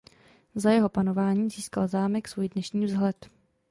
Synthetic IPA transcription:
zajɛɦo̞pano̞vaːɲiːziːskalzaːmɛksvuːjdnɛʃɲiːvzɦlɛt̪

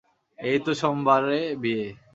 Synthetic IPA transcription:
ejt̪oʃɔmbaɾebie

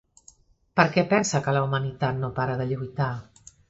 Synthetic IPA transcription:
pəɾkɛpɛnsəkələumənit̪at̪̚nopaɾəðəʎujt̪a

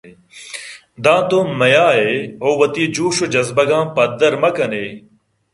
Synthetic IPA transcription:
d̪ãːt̪õːmɐjãːɦeːɦoːʋɐt̪iːd͡ʒuːʃod͡ʒɐzbəɡãːpɐd̪əɾmɐkəneː

